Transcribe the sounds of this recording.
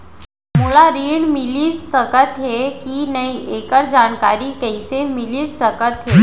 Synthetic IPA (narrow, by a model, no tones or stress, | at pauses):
mulaɾiːɳmiliːsəkət̪ɦekinəiʔekəɾd͡ʑaɳka̰ɾiːkəjsemiliːsəkət̪ɦe